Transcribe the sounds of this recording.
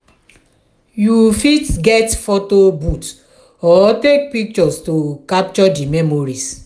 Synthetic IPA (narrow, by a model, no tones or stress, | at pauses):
jufitɡɛtfotobut | ɔtek̚pik̚t͡ʃɔstokap̚t͡ʃɔdimɛmoɾis